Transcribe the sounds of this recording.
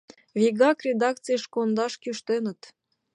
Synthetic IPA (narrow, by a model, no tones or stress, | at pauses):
viɣɑkrʲed̪ɑk̚t͡sɨjʃkond̪ɑʃkyʃt̪enə̆t̪